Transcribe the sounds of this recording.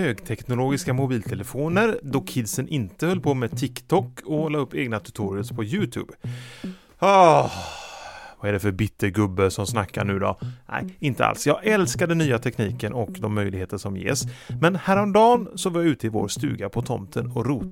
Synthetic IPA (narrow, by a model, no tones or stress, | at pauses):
høːɡt̪ʰɛknʊloːɡɪskamʊbiːlt̪ʰɛləfoːnəɾd̪ɔkʰɪd̪sənʔɪnt̪əhœlːpʰomeːt̪ʰɪkt̪ʰɔkːɔolɑːɵpːḛːɡnat̪ʰʉ̥t̪ʰuːɾɪʊspʰɔjʉːt̪ʰʉ̰ːb̥ | ɑ | vɑæɖɛfœɾbɪt̪ʰːəɾɡɵbːəsɔmsnakːaɳʉ̟ːd̪ɔ̰nʔæ̰jɪnt̪əa̰lsjɑːɡɛlskad̪ɛnːyːat̪ʰɛkniːkənɔkd̪ɔmːœjlɪɡheːt̪əʂɔmjḛːsmɛnhæːɾɔmd̪ɑːnsɔvɑɾjɑʉ̟ːt̪əɪvo̰ːɾst̪ʉ̟ːɡapʰɔt̪ʰɔ̰mt̪ʰənɔɾuːt̪